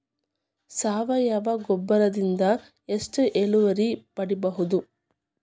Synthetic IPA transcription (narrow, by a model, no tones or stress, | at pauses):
saːʋɐjɐʋɐɡɔbːɐɾɐd̪ind̪ɐ | e̞sʈɨʔeluʋɐɾipɐɽibɐɦud̪u